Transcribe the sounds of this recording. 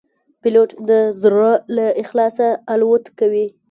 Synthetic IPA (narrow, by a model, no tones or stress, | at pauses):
pɪloʈd̪əzɾalaɪxlɑsaːlwot̪kawi